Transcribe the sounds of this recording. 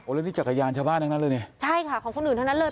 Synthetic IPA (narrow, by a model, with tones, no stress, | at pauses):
ʔo˨˩˦lːniː˦˥˩t͡ɕa˨˩ka˧jaː˧nt͡ɕʰaː˧wbaː˥˩nːa˧˩na˦˥lːjne˧˩t͡ɕʰa˥˩jkʰa˥˩kʰɔː˨˩˦ŋko˧nʔɯː˨˩nt̪ʰa˥˩na˦˥lɤː˧